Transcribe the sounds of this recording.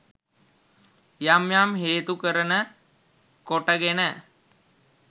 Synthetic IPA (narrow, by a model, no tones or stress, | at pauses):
jamjamɦeːt̪ukəɾənə | koʈəɡenə